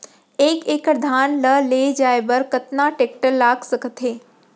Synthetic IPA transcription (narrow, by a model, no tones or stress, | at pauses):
eːkeːkəɾd̪ʱaːnləleːd͡ʒaːebəɾkɐt̪naʈeːk̚ʈəlːaːɡsəkət̪ɦeː